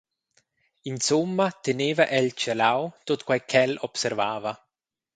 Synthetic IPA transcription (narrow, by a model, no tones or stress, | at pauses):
insomːat̪eneːvaʔɛlt͡ʃelawt̪ot̪kwajkʰɛlɔpseɾvaːva